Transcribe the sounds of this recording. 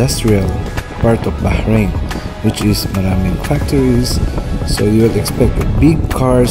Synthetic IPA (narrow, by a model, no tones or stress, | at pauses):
ast̪ɹialpaɹt̪ɔfbahɹẽnwɪt͡ʃɪsmad̪ãmːɛ̃nufak̚t̪ɔɹissojuwɪlɛkspɛk̚t̪əbɪɡ̚kʰaɹ